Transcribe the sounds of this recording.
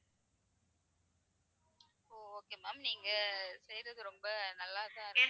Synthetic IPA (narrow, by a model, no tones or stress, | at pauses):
oːoːkeːmaːmniːŋɡɐsɛjɾɐðɯɾɔmbɐnɐlːaːðãːɐɾ